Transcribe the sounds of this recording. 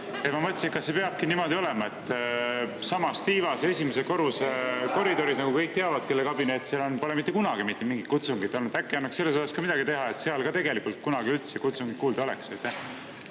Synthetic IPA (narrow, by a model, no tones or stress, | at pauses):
emɑmɤt̪ʲːˑsinkɑsːepe̞ɑb̥̚kinimo̞d̪io̞le̞mɑe̞t̪ˑː | sɑmɑst̪iːvɑse̞sʲimeseko̞ɾuseko̞ɾid̪o̞ɾisnɑɡukɤjk̚t̪eɑvɑd̪̥ke̞lːekɑbinet̪ːseɑlonpolemit̪ːekunɑɡ̥imit̪ːˑemiŋɡit̪kut̪suŋɡid̪ˑo̞lnud̪ækːeɑnːɑkse̞lːesoɑskɑmid̪ɑɡit̪e̞ɦɑe̞t̪ːˑseɑlɡɑt̪e̞ɡe̞likːˑult̪̚kunɑɡiylt̪sekut̪suŋɡit̪kuːld̪ɑo̞le̞̰ksejt̪ːeh